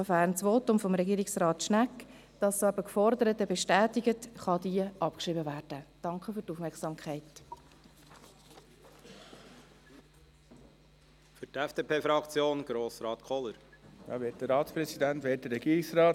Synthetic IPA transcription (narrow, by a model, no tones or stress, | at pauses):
əfæːɾnsʋoːtʊmfɔmɾɛɡiːɾɪksrɑːtʃnækː | d̥ɑsːoɛbəkfɔɾdəɾətəbɛʃtæːtɪɡətχɑdiəʔɑpkʃʁiːbəvæːɾd̥əd̥ɑŋkχəfʏɾtufmɛksɑːmkʰχɛɪt | fʏɾtɛfd̥eːpʰeːfɾɑkt͡sjoːnɡ̥ɾoːsɾɑːt̪kʰɔləɾjɑ̰ːʋet̚dəɾɑːt̪spɾɛsid̪æntʋeːt̚dəɾːɛɡ̥iːɾɪksɾɑːt